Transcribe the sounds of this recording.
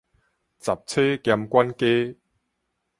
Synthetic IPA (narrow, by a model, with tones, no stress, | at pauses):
t͡sɐ˨˩p̚t͡sʰeː˦˥kɛ˧mkʷɐ˥nke˦